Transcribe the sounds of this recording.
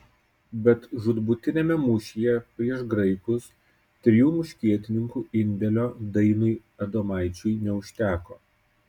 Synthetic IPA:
bʲɛt̪ʒʊd̪bʊt̪ʲɪnʲeːmʲɛmʊʃʲijɛpʲɾʲiɛʃɡɾɐɪkʊs | t̪ʲɾʲɪjuːmʊʃʲkʲiɛt̪ʲɪnʲɪŋkuːɪnʲd̪ʲɛlʲoːd̪ɐɪnʊɪ | ɐd̪omɑˑɪt͡ʃʲʊjnʲɛʊʃʲt̪ʲæːkoː

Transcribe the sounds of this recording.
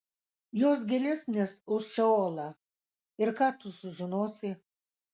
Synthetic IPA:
joːs̬ɡʲɛlʲɛsʲnʲesʊʃt͡ʃʲɛoːlˠɐ | ɪɾkaːt̪ʊsʊʒɪnoːsʲɪ

